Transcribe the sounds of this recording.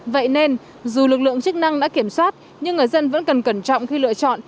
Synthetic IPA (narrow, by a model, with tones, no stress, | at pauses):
və̰˧˨jne˧n | zu˨˩lɨ˨˩k̚lɨ̰˧˨əŋt͡ɕɨ˦˥k̚na˧ŋɗa̰ː˧˥ki˧˩əmswaː˦˥t̚ | ɲɨ˧ŋːɨ˨˩jzə˧nvə̰˧˥nkə˨˩nkə˧˩nt͡ɕɔ̰˧˨wŋ͡mxi˧lɨ̰˧˨ət͡ɕɔ̰˧˨n